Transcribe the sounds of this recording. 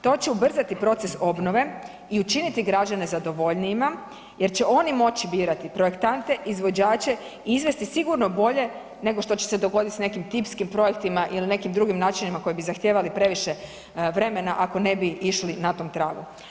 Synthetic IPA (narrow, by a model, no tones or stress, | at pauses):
t̪o̞t͡ɕe̞ubr̩zat̪ipɾo̞t̪se̞so̞bno̞ʋe̞ | iut͡ʃinit̪iɡɾad͡ʑane̞zad̪o̞ʋo̞ʎniːma | je̞ɾt͡ɕe̞ʔo̞nimo̞t͡ɕibiːɾat̪ipɾoje̞kt̪ant̪e̞ʔizʋo̞d͡ʑaːt͡ɕe̞ | iizʋe̞st̪isiɡuɾno̞bo̞ʎe̞ | ne̞ɡo̞ʃt̪o̞t͡ɕe̞̥se̞d̪o̞ɡo̞d̪it̪sne̞kimt̪ipskimpɾo̞je̞k̚t̪imaʔiline̞kimd̪ɾuɡimnaːt͡ʃinimako̞jibizaxt̪jeːʋalipɾe̞ʋiʃe̞ | ʋɾe̞me̞naʔako̞ne̞biiʃlinat̪o̞ːmt̪ɾaːɡu